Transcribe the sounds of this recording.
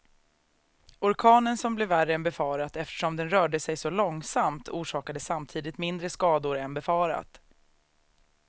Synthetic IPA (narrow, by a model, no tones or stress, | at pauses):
ɔɾkʰɑːnənsɔmblɛværːəɛnbɛfɑːɾat̪ɛft̪ə̥ʂɔmd̪ɛnɾœːɖəsɛjsɔlɔŋsamt̪ʰuːʂɑːkad̪əsːamt̪ʰiːd̪ɪt̪mɪnd̪ɾəskɑːd̪ʊɾɛnbɛfɑːɾa̰t̪